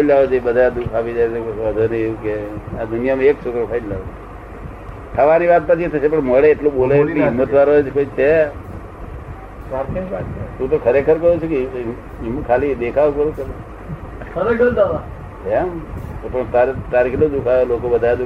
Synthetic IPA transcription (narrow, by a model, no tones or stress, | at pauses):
lad͡ʒoibəd̪ʱajad̪ukʰaʋid͡ʒajt͡ʃʰeəd̪ʱaneeũkead̪unijamãeksukɾəpʰaid̪laʋe | k̪ʰaʋaniʋat̪̚pət͡ʃʰit̪ʰəsep̬əɳməɭeːʈloɓolajkiɦɪmːət̪ʋaɾoed͡ʒkoit͡ʃʰe | aɾkeʋat̚t̪ũt̪okʰəɾekʰəɾkəjut͡ʃʰuke | ɪmkʰalid̪ekʰaʋkəɾũkel | əɾɡəld̪aʋa | emt̪opəɳt̪aɾt̪aɾikʰlod̪ukʰaolokobəd̪ʱajad̪u